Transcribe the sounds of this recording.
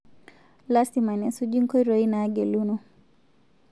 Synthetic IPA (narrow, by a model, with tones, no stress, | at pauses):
lasima˨nɛ˨su˦d͡ʒi˦ŋkɔ˦iɾɔi˦naːɡɛ˨lunɔ